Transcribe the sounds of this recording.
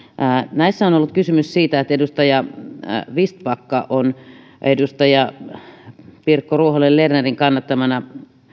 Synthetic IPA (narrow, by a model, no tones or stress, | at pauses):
ʔːnæisːæonolːut̪kysymyssiːt̪æet̪ːedust̪ɑjɑ | ʋist̪̚pɑkːɑʔon | edust̪ɑjɑ | pirkːoruoholːellerneriŋkɑnːɑt̪ːɑmɑnɑ